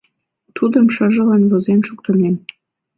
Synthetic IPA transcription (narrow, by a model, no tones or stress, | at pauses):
t̪ud̪ə̆mʃə̆ʒə̆lɑnβozenʃuk̚t̪ə̆nem